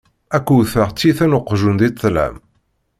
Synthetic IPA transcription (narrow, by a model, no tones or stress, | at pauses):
ækʷːuθəʁt͡sːiθænʊqːʒund̪it͡sːlæ̰m